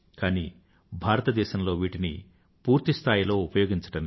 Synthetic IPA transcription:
kaːniː | bʱaːɾɐt̪ɐd̪ɛːʃɐmlo̞ːʋiːʈinḭ | puːɾt̪ist̪ʰaːjilo̞ːupɐjo̞ːɡiɲt͡ʃɐ̥ɽɐmi

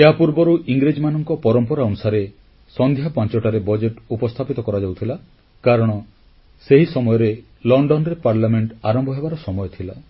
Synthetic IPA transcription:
eɦapuɾbɔɾuʔiŋɡɾed͡ʒmanɔŋkɔpɔɾɔmpɔɾaɔnusaɾe | sɔnd̪ʱjapɔ̃nt͡ʃɔʈaɾebɔd͡ʒeʈupɔst̪ʰapit̪ɔkɔɾad͡ʒawt̪ʰila | kaɾɔɽ̃ɔ | seɦisɔmɔjɔɾe | lɔɳɖɔnɾepaɾlameɳʈaɾɔmbɔɦebaɾɔsɔmɔjɔt̪ʰila

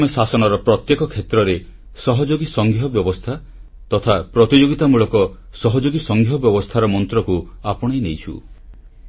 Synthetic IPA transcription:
mɔsasɔñɔɾɔpɾɔt̪jekɔkʰet̪ɾɔɾe | sɔɦɔd͡ʒoɡisɔŋɡʱijɔbjɔbɔst̪ʰa | t̪ɔt̪ʰapɾɔt̪id͡ʒoɡit̪amuɭɔkɔ | sɔɦɔd͡ʒoɡisɔŋɡʱjɔbjɔbɔst̪ʰaɾɔmɔnt̪ɾɔkuapɔɽ̃ejnejt͡ʃʰṵ

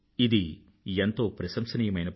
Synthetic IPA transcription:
id̪i | ent̪o̞ːpɾɐsɐmsɐniːjɐmɐjnɐp

